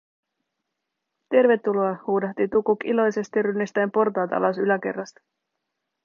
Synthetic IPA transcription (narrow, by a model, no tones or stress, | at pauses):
t̪e̞rʋe̞t̪ːulo̞ɑhuːdɑht̪it̪ukukilo̞jse̞st̪irynːist̪æjmpo̞rt̪ɑːt̪ɑ̰lɑsylæke̞̰rːɑst̪ɑ̥